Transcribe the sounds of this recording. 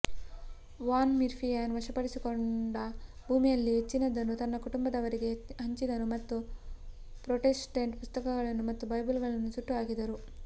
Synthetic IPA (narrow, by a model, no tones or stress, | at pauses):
ʋaːnmiɾpʰijaːnʋɐʂɐpɐɽisiko̞ɳɖɐbʱuːmijɐlːiɦet͡ʃːinɐd̪ːɐnːut̪ɐnːɐkuʈumbɐd̪ɐʋɐɾiɡe̞ɦɐɲt͡ʃid̪ɐnumɐt̪ːu | pɾoʈesʈɐɳʈpust̪ɐkɐɡɐɭɐnːumɐt̪ːubɐjbulɡɐɭɐnːusuʈːuaːɡid̪ɐɾu